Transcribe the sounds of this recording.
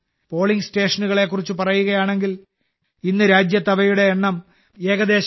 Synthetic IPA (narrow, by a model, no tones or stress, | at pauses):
po̞ːɭiŋɡsʈe̞ːʂɐnuɣɐɭe̞kːurit͡ɕːupɐrɐjuɣɐjaːɳe̞ŋɡil | inːɨɾaːd͡ʑjɐt̪ːɐʋɐjuɽe̞ːɳːɐm | e̞ːɡɐd̪e̞ːɕ